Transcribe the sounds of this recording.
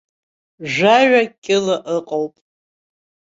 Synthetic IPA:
ʒʷaʒakʲʼɪlɨʔəqʼowpʼ

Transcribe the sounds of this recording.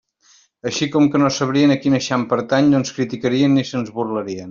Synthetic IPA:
əʃikɔmkənosəβ̞ɾiənəkinəʃampəɾt̪aɲnonskɾit̪ikəɾiənːisənzβurləɾiən

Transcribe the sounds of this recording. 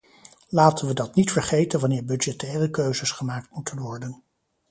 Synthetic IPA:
laːtənʋədɑtnitfəɹχejtənʋɑnɪːɹbɵd͡ʒɛtɛːrəkøɥzəsχəmaːk̚tmutʰənʋɔɹdən

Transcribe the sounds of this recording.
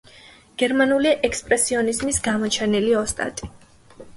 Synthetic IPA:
ɡ̥ɛɾmanuliʔɛkspʼɾɛsiɔnizmisɡamɔt͡ʃʰɛniliɔst̪ʼa̰t̪ʼi

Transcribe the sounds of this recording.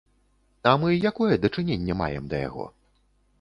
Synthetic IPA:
ɐmɨjakɔjɛd̪ɐt͡ʂɨnʲenʲːɛma̰jɛmd̪ɐja̰ɣɔ̰

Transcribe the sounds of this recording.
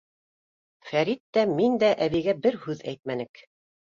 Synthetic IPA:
fæɾit̪ːæmind̪æʔæβiɡæbɘɾhʉðæ̰jt̪̚mænɘk

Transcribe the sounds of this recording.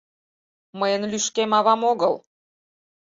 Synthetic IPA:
məjənlyʃkemɑβɑmoɣɤl

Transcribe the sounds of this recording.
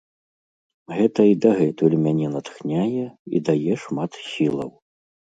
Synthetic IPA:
ɣɛt̪ɐid̪ɐɣɛt̪ulʲimʲanʲɛnɐt̪xnʲajɛḭd̪ajɛʂmat̪sʲilˠɐ̰w

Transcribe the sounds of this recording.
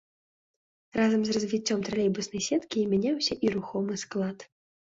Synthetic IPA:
razɐmzrɐzʲvʲit͡sʲːɔmt̪ɾalʲɛjbusnɐjsʲɛt̪kʲimʲanʲawsʲɐʔiɾuxɔmɨsklˠat̪

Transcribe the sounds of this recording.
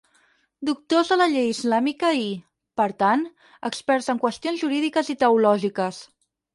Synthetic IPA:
d̪uk̚t̪ozðələʎejizlamikəi | pəɾt̪an | ə̰kspɛɾzəŋkwəst̪ionzʒuɾiðikəzit̪əulɔʒikəs

